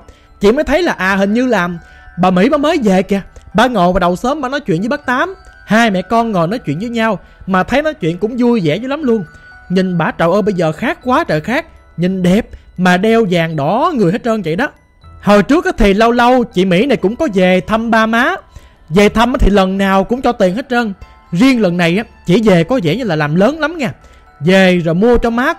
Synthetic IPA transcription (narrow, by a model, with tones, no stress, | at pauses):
t͡ɕḭ˧˨məː˨˦jt̪ʰjlaː˨˩ʔaː˨˩hï˨˩ŋ̟ɲɨ˧laː˨˩m | ɓaː˨˩mḭ˧˥ɓaː˨˥məː˨˦jze˨˩kɛ˧˩ɓaː˨˩ŋo˨˩vaː˨˩ɗə˨˩wsəː˨˦mːaː˨˩nɔ˨˦jt͡ɕwḭ˧˨ənzːɓaː˦˥k̚t̪aː˨˦mhaː˧jmɛ̰˧˨kɔ˧nŋɔ˨˩jnɔ˨˦jt͡ɕwḭ˧˨nzəː˨˦jɲa˧w | maː˨˩t̪ʰə˨˦jnɔ˨˦jt͡ɕwḭ˧˨ənkʊ̰˧˥ŋ͡mzu˧jzɛ̰˧˥zəː˨˦la˨˦mlu˧ən | ɲï˨˩ŋɓaː˧˩t͡ɕə̰˧˨wʔəː˧ɓə˧jzəː˨˩xaː˦˥kːwaː˨˦t͡ɕə̰ː˧˨xaː˦˥k̚ | ɲï˨˩ŋɗɛ˨˩p̚maː˨˩ɗɛ˧wzaː˨˩ŋɗɔ˧˨˦ŋɨ˨˩əjɦe˦˥t̚zəː˧nzə̰˧˨jɗɔ˨˦ | hoː˨˩jt͡ɕɨ˦˥ək̚ːaː˨˦t̪ʰi˨˩lə˧wlə˧wt͡ɕḭ˧˨mḭ˧˥na˨˩jkʊ̰˧˥ŋ͡mkɔ˨˦ze˨˩t̪ʰə˧mɓaː˧maː˨˦ | ze˨˩t̪ʰə˧mʔa˨˦t̪ʰi˨˩lə˨˩nnaː˨˩wkʊ̰˧˥ŋ͡mt͡ɕɔ˧˩t̪i˨˩əŋhe˦˥t̚ʔəː˧n | zi˧əŋlə˨˩nːa˨˩jʔaː˨˦t͡ɕḭ˧˩ze˨˩kɔ˨˦zɛ̰˧˩˥ɲɨ˧laː˨˩laː˨˩mləː˨˦nla˨˦mŋɛ˧˩ | ze˨˩zo˨˩jmu˧ət͡ɕɔ˧maː˨˦